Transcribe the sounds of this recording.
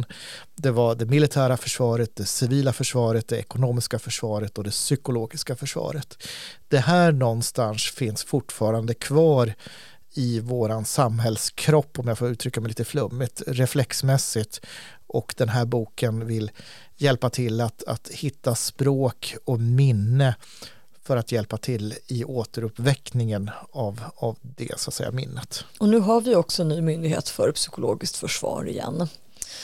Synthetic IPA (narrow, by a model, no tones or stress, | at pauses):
d̪ɛvaɖɛmɪlɪt̪ʰæːɾafœʂvɑːɾət̪̚d̪ɛsɪviːlafœʂvɑːɾət̪̚d̪ɛɛ̰kʊnoːmɪskafœʂvɑːɾət̪ɔd̪ɛsʏkʊloːɡɪskafœʂvɑ̰ːɾət̪d̪̥ɛɦæːɳɔnst̪ansfɪnsfʊʈːfɑːɾand̪əkʰvɑːɾ | ɪvoːɾansamɦɛlskʰɾɔpːɔmjaɡfoːɾʉ̟ːt̪ʰɾʏkːamɛɪjliːt̪əflɵmːɪt̪ɾɛflɛksmɛsːɪt̪ | ʔɔkd̪ɛnɦæːɾbuːkənvɪl | jɛlpat̪ʰɪlːat̪a̰t̪hɪt̪ːaspɾoːkɔmɪnːə | fœɾat̪jɛlpat̪ʰɪlːɪʔoːt̪əɾɵpːvɛknɪŋənavavd̪ɛ̰sʊa̰t̪sɛ̰jːa̰mɪ̰nːət̪ɔnʉ̟ːɦaɾvɪɔksɔɛnːyːmʏnd̪ɪɡhḛːt̪fœ̰ɾpsʏ̥kʊlo̰ːɡɪst̪fœʂvɑ̰ːɾɪ̰jɛ̰nː